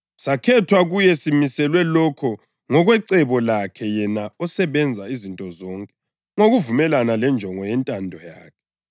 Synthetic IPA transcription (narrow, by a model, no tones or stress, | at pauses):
sakʰɛtʰwaɣujɛsimisɛlwɛlɔkʰɔ | ŋɔɣwɛǀɛβɔlakʰɛjɛnaɔsɛβɛnd͡zʱaizintʼɔzɔŋkʼɛ̥ | ŋoɣuvumɛlanalɛnd͡ʒʱɔŋɔjɛntʼandʱɔjaːkʰɛ̥